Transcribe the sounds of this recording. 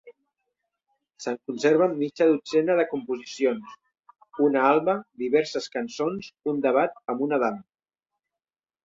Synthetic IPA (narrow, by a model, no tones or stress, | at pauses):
səŋkunseɾβ̞əmːit͡ʃəðut͡sɛnəð̞əkumpuzisions | unəalˠβəd̪iβɛɾsəskənsonsund̪əβ̞at̪̚əmunəðam